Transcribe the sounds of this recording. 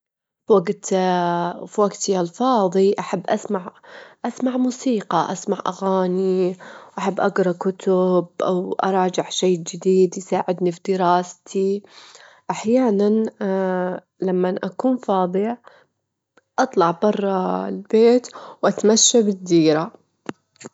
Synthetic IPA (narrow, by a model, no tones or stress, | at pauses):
fwaɡt̪ | fwaɡt̪iʔalfɑːðˤiʔaħabːʔasmaʕʔasmaʕmuːsiːqɑʔasmaʕʔa̰ɣaːniʔaħabːʔaɡɾˤɑkʊt̪ʊbʔa̰wʔɑ̰ɾˤɑːd͡ʒɪʕʃeːd͡ʒɪd̪iːd̪jsaːʕɪd̪nifd̪ɪɾɑːst̪ʰi | ʔaħjaːnan | lamːanʔakuːnfɑːðˤɨ | ʔɑt̪ˤlɑʕbɑrˤːɑlbeːt̪wʔat̪maʃːabɪd̪ːiːɾa